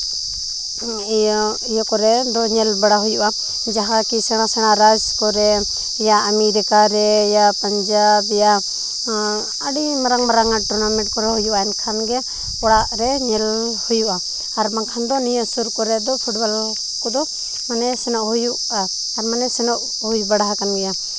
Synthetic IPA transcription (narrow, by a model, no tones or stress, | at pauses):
ijɔkɔɾɛd̪ɔɲɛlbaɽaɦujuʔa | d͡ʒaɦakisɛnasɛnaɾad͡ʒkɔɾɛ | jaʔamiɾɛkaɾɛjapaɲd͡ʒabɛja | əɽimaɾaŋmaɾaŋaʈɔnamɛʈ̚kɔɾɛɦujuʔaɛnkʰanɡɛ | pɔɽaʔɾɛɲɛl | hujuʔaː | ɾmaŋkʰand̪ɔnijəsuɾkɔɾɛd̪ɔpʰuʈbal | kɔd̪ɔ | manɛsɛnɔʔhujuʔaː | ɾmanɛsɛnɔʔ | hujbaɽaɦakanɡɛja